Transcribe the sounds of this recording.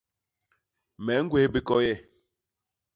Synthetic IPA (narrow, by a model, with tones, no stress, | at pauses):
mɛ˨˦ŋ̩˦ɡwe˦hbi˨kɔ˦jɛ˦˨